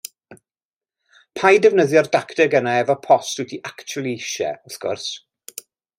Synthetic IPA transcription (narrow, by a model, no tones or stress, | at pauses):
pʰajdɛvnəðjɔrdaktɛɡənaɛvɔpʰɔstwɪtʰiʔakt͡ʃʰʊlˠiɪʃɛ̰ʊθɡ̥ʊ̰rs